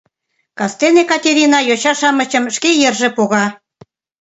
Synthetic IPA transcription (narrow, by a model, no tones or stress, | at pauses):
kɑst̪enekɑtʲeɾʲinɑjot͡ɕɑʃɑmət͡ɕəmʃkejərʒĕpoɣɑ